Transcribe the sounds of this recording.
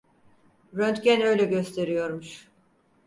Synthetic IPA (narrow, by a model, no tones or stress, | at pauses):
ɾønt̪cænø̞jlʲɛɟø̞st̪ʰe̞ɾijo̞ɾmuʃ